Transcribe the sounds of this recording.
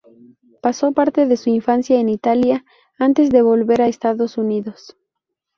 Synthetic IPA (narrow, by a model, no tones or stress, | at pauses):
paso̞paɾt̪e̞ðe̞suiɱfansjaenit̪alja | ant̪e̞zðe̞βo̞lβe̞ɾaest̪aðo̞suniðo̞s